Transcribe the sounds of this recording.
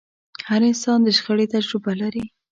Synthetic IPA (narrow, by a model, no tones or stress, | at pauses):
haɾɪnsɑnd̪əʃxəɽet̪ad͡ʒɾʊbalaɾi